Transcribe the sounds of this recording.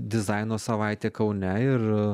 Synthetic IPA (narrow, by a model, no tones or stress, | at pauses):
d̪ʲɪzɑɪnoːsɐʋɑɪt̪ʲeːkɐʊnʲɛɪr